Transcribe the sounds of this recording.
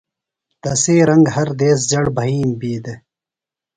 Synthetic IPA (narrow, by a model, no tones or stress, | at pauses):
t̪ɐseːɾɐŋɡɦɐɾd̪eːs̬d͡ʑɐɽbʱɐɦiːmbiːd̪e